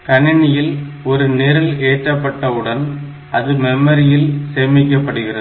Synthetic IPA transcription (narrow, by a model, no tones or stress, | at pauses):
kɐɳɪɳɪjɪl | ɔɾɯnɪɾɯleːʈrɐpːɐʈːɐɯɽɐn | ʔɐðɯmɛmːɐɾɪjɪlseːmɪkːɐpːɐɽɯɣɪrɐðɯ